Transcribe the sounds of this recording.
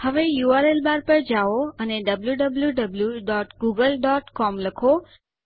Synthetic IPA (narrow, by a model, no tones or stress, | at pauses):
həʋejuaɾelbaɾpəɾd͡ʒaoəneɖəbljuɖəbljuɖəbljuɖɔʈɡuɡəlɖɔʈkɔmləkʰo